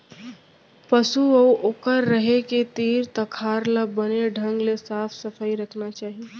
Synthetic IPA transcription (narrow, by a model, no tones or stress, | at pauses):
pəsuəʔoːkəɾːəɦeket̪iːɾt̪əkʰaːɾlabəneɖʱə̃ŋɡlesaːpʰsəfʰəjɾəkʰnat͡ʃaːɦie